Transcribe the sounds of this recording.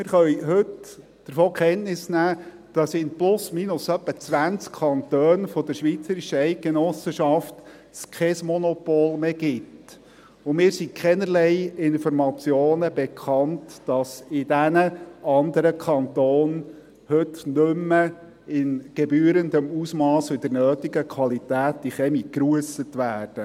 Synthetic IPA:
mɪːɾχœjɦɵt | d̪̥əɾfoːkχɛntnɪsnæː | d̥ɑsɪnplʊsmiːnʊsœpːət͡sʋænt͡skkʰɑnt̪øːnfɔd̥̪əɾʃʋit͡səɾiʃəɛɪt̚kenɔsəʃɑft | skʰɛsmɔnɔpoːlˠmeɡ̥ɪt | ʊmɪːɾsikʰɛnəɾlɛɪɪnfɔɾmɑt͡sjoːnəbekʰɑntd̥ɑsɪd̥ænəɑnd̪əɾəkʰɑntoːn | hɵtnʉmːə | ɪnɡ̥ebyːəɾənd̪əmusmɑːsʋɪd̥̪əɾnœːtiɡəkʰʋɑlit̪æːt̚d̥iχɛmikɾuəsətʋæːrd̥ə

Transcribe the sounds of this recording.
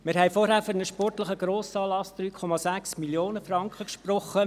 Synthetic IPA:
mɪɾɦɛjfɔɾɦæːɾfyɾnəʃpɔrtləχəɡ̥ɾoːsɑːlɑsd̪̥ɾyːkʰɔmɑzæksmiljoːnəfɾɑŋkχəkʃprɔχːə

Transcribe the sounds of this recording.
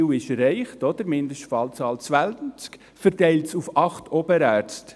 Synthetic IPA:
wɪʃɾɛɪχtɔd̥̪əɾmɪndəʃtfɑlt͡sɑːlt͡sʋælt͡sk | fəɾtɛɪltsufɑχtʰɔbəɾæːɾt͡st

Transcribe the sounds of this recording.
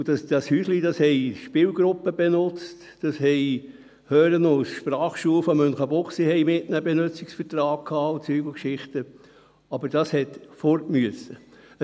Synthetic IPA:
d̥ɑsd̥̪ɑshyːslid̥ɑshɛɪʃpɪːlɡɾʊpːəbɛnʊt͡st | d̥ɑshɛɪ | høːɾənowsʃpɾɑːχʃuːəfɔmønχəbʊχsihɛɪmɪtnəbɛnøt͡siksfətɾɑːk̚kʰhɑːut͡syːɡ̥l̩kʃɪχt̪ə | ɑbəɾd̥ɑshɛtfɔɾtmyəsə

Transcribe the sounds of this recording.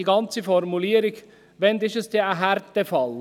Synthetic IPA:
iɡɑnt͡səfɔɾmuliːəɾɪɡ | ʋɛnd̪ɪʃəsd̥̪eːæɦæɾtdɛfɑl

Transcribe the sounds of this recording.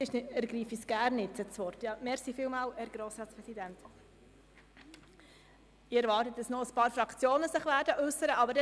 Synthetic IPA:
ɪʃɛɾɡɾiːfisɡ̥æːɾnːɪtt͡sət͡sʋɔɾtjɑmɛɾsiːfɪːlmɑːlɛɾɡɾoːsɾɑːtspɾɛsidænt | ɪɛɾvɑːrtət̚dɑsnoəspɑːɾfɾɑkt͡sjoːnəsɪχʋæːɾdəʔʉsːəɾəʔɑbəɾdɛ

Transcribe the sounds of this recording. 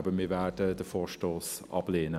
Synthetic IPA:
bəmiːvɛdədəfoːʃtoːs | ɑ̰bleːnə

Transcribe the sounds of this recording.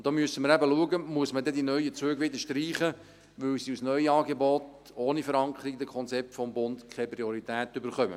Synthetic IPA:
ʊd̪̥ɔːmyəsəməɾæbəluəɡəmuəsmədɛd̪inœʏət͡søːɡʋɪd̪əʃtɾiːχə | ʋɵwsiusnœʏəɑːɡebɔt | oːnifəɾɑŋkʰəɾiɡd̪əkʰɔnt͡sɛp̚tfɔmbʊnd̪kʰɛpɾiɔɾit̪æːtʏbəɾχœmə̰

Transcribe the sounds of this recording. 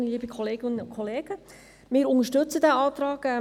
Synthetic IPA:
əliːbikʰɔleːɡɪnəʊkʰχɔleːɡ̥ə | mɪːɾʊŋəʃtɵt͡sədæɑːt̪ɾɑːɡ̥ɛ

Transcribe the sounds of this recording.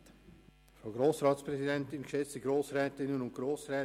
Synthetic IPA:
foɡɾoːsʁɑːtspʁɛzidɛntɪnkʃɛt͡stəɡɾoːsrɛːtɪnənʊntɡ̥roːsrɛː

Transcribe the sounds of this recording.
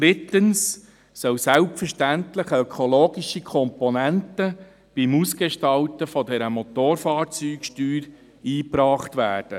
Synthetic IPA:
d̥ɾɪt̪əns | sœwsælpfəɾʃtænt̪ləχœkʰɔloːɡiʃikʰɔmpɔnæntə | b̥imusɡ̥eʃtɑltəfɔdɛɾəmɔt̪oːɾfɑːɾt͡syːkʃtyːɾ | iːpɾɑːχt̪ʋæːrd̥ə

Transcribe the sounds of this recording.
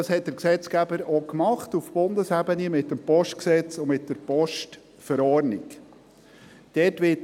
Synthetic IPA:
ɑshɛt̚d̥̪əɾksɛt͡skæbəɾɔkmɑχtufb̥ʊnd̪əsæbənimɪtːəmpɔʃtksɛt͡sʊmɪt̚d̥əɾpɔʃt | fəɾɔɾnḭk | d̥ɛtʋɪt

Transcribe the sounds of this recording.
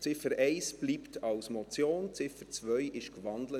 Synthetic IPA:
t͡sɪfəɾɛɪsb̥liːptʰɑwsmɔt͡sjoːnt͡sɪfət͡svœjʔɪʃkvɑndlə

